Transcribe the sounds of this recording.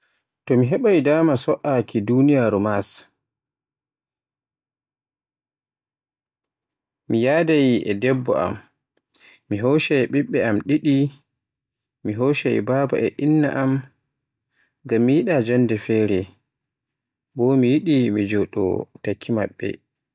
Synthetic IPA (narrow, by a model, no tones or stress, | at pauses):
tɔmiɦɛɓajdaːmasɔʔakʰidunijaɾumas | mijaːdajiʔɛ̰dɛbːɔ̰a̰mː | iɦɔʃɛɓiɓːɛamɗiɗi | miɦoːʃaj̰baba̰ʔɛʔinːa̰ʔam | ɡamːijiɗad͡ʒɔndɛfɛːɾɛ | bɔmijiɗimid͡ʒɔɗɔ̰takʰːima̰ɓːɛ̰